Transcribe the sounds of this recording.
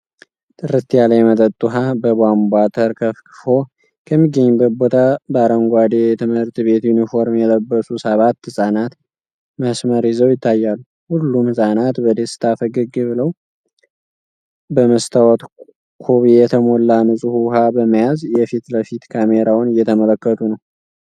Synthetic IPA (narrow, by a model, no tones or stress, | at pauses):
t̪ʼɨɾɨt̪ʰijalajmət̪ʼət̪ʼːuɦabəbambʷat̪ʰəɾkʰəfkɨfo̞ | kʰəmːiɡːəɲːbət̪̚bo̞t̪ʰabaɾəŋɡʷad̪eɛt̪ʰɨmhɨɾt̪βe̞t̪junifo̞ɾmjɛləbːəsusəβat̪ːsʼanat̪ | məsməɾizəwjɪt̪ʰːajːalːu | hulːumsʼanat̪bəd̪esɨ̥t̪ʰafəɡɨɡɨβɨləw | bəməst̪ʰawɔt̪ | kʰo̞βijɛt̪ʰəmolːanɨsʼɨhuɦabəməjazjɛfit̪ləfit̪kʰameɾʔawnɨjɛt̪ʰəmələkːət̪ʰunəw